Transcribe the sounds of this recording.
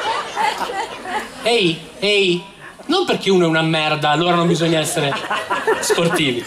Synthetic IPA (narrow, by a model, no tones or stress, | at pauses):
ɛj | ej | nomperk̟euːnoɛunamːɛrd̪aːlːoːɾanõmbizɔɲːaɛsːeɾe | sport̪iːvi